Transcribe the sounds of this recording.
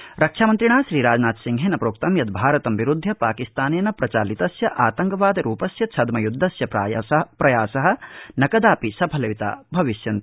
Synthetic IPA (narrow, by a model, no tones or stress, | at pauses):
ɾɐkʂʰaːmɐnt̪ɾiɳaːʃɾiːɾaːd͡ʒnaːt̪siŋɡʱɦeːnɐpɾoːkt̪ɐmjɐd̪bʱaːɾɐt̪ɐmʋiɾud̪ʱːjɐpaːkist̪aːneːnɐpɾɐt͡ʃaːlit̪ɐsjɐʔaːt̪ɐŋkɐʋaːd̪ɐɾuːpɐsjɐt͡ʃʰɐd̪mɐjud̪ʱːɐsjɐpɾapɾɐjaːsɐɦɐ̆nɐkɐd̪aːpisɐbʰʱɐlɐʋit̪a̰ːbʱɐʋiʃjɐnt̪